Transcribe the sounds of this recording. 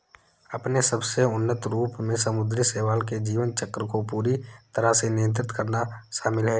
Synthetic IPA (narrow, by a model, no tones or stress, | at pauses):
ɐpnesəbseʊnːət̪ɾuːpmẽsɐmʊd̪ɾseːʋaːlked͡ʒiːʋənt͡ʃəkːɾəkopuːɾit̪əɾasenɪjə̃nt̪̬ɾɪt̪kəɾnaʃaːmɪlɦɛː